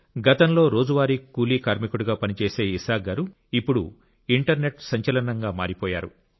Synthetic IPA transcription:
ɡɐt̪ɐnlo̞ːɾo̞ːd͡ʒuʋaːɾikuːliːkaːɾmikuɽuɡaːpɐnit͡ʃeːse̞ːisaːɡɐɾu | ipːuɽu | iɳʈɐɾne̞ʈsɐɲt͡ʃɐlɐnɐŋɡaːmaːɾipɔːja̰ːɾu

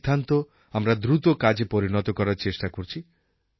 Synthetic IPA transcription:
d̪ʱant̪ɔ | amɾad̪ɾut̪okad͡ʒepɔɾinɔt̪ɔkɔɾaɾt͡ʃesʈakoɾt͡ʃʰi

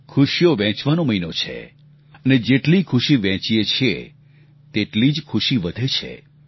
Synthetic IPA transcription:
kʰuʃijoʋɛ̃t͡ʃʋanoməinot͡ʃʰḛ | əned͡ʒeʈlikʰuʃiʋɛ̃t͡ʃiet͡ʃʰḛ | t̪eʈlid͡ʒkʰuʃiʋəd̪ʱet͡ʃʰḛ

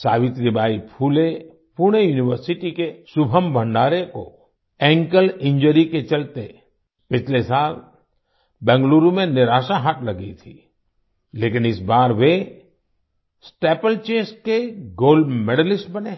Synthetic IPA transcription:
saːʋɪt̪ɾɪbaːipʰuːle | puɾɽ̃ejuːnɪwəɾsɪʈikesʊbʱəmbʱə̃ɳɖaːɾeko̰ | ɛ̃ːŋkəlɪ̃ɲd͡ʒəɾiket͡ʃɐlt̪e | pɪt͡ʃʰlesaːl | bɛ̃ːŋɡluːɾumẽnɪɾaːʃaɦaʈ̪ʰlɐɡḭt̪ʰi | leːkɪnɪsbaːɾʋe | sʈeːpəlt͡ʃeːsʈkeɡoːlɖmeɽəlɪsʈbəne

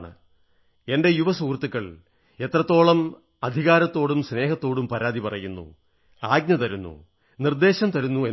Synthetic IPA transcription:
ɳɨ̰ | e̞nde̞juʋɐsuːkrt̪ːukːɐɭ | e̞t̪rɐt̪ːo̞ːɭɐm | ɐd̪ʱiɣaːɾɐt̪ːo̞ːɽumsne̞ːɦɐt̪ːo̞ːɽumpɐɾaːd̪ipɐrɐjunːṵ | aːɡ̚ɲɐt̪ɐɾunːṵ | nird̪e̞ːɕɐmt̪ɐɾunːue

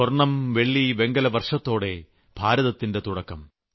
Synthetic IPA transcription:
orɳɐmʋe̞ɭːiʋe̞ŋɡɐlɐʋɐrʂɐt̪ːo̞ːɽe̞ | b̥ʱaːɾɐðɐt̪ːinde̞t̪uɽɐkːɐm

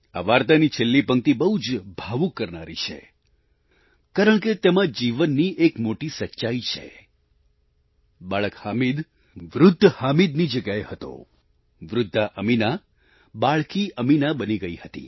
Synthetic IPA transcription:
a̰ʋaɾt̪anit͡ʃʰelːipəŋk̚t̪ibəɦud͡ʒbʱaʋukːəɾnaɾit͡ʃʰḛ | kaɾəɳket̪emãd͡ʒiʋənːiʔekmoʈisət͡ʃːʃait͡ʃʰḛ | baɭəkhamid̪ | ʋɾʊd̪ʱːhamid̪nid͡ʒəɡjaehət̪o̰ | ʋɾʊd̪ʱːaʔəmina | baɭkiʔəminabəniɡəihət̪ḭ

